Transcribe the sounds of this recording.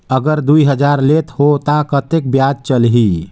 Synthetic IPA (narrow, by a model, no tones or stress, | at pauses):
əɡəɾd̪uiɦəd͡ʒaɾlet̪ʰhot̪akət̪ek̚bjad͡ʒt͡ʃəlɦi